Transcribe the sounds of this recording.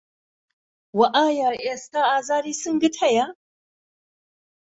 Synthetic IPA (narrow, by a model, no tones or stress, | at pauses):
wɐʔaːjaːʔeːst̪aaːzaːɾiːsɨmɡɨt̪hɐja